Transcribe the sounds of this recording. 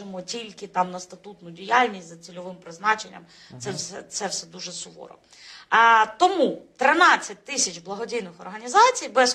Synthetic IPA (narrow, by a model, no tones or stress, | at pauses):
ɪmɔtʲilʲkɪt̪ɑmnɐst̪ɐt̪ut̪nʊdʲijalʲnʲisʲtʲzɐt͡sʲilʲɔʋɪmpɾɪznɑt͡ʃenʲːɐ̰m | t̪sɛsɛt̪sɛwsɛd̪uʒɛsʊʋɔ̰ɾɔ̰ | t̪ɔmut̪ɾɪnɑt͡sʲːɐtʲt̪ɪsʲɐt͡ʃblˠɐɦɔdʲijnɪxɔrɦɐnʲizɑt͡sʲijbɛz